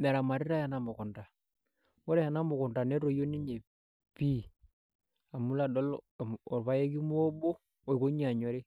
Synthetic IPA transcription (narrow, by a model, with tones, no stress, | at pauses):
me˨ɾa˨ma˨ɾi˦ɾa˦ja˨na˨mɔ˨kɔ˨nta˨ | wo˦ɾɛ˦ha˨na˦mo˨kɔ˨nda˨ne˦ɾo˨jo˦ni˦ɲe˨ | pi˦ | a˨mu˦la˨dɔ˦lɔ˨ɾβa˦je˦ki˦mu˦o˦bo˦ | o˨i˨ko˦ɲi˦a˨ɲo˨ɾi˦